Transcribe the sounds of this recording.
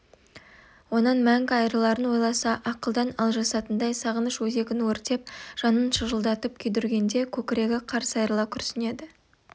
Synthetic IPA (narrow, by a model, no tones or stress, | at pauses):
wo̞nɑnmæŋkʲɑjɾəlˠɑɾənwo̞jlˠɑsɑʔɑqəlˠd̪ɑnɑlˠʒɑsɑt̪ənd̪ɑjsɑʁənəʃwɵze̞ɡʲɪnwɵɾt̪e̞p̚ʒ̥ɑnənʃəʒəlˠd̪ɑt̪əp̚kʲʰed̪ʏɾɡʲe̞nd̪e̞kʲʰɵkʲɪɾe̞ɡʲɪqʰɑɾsɑjɾəlˠɑkʲʰʏɾsɪne̞d̪ɪ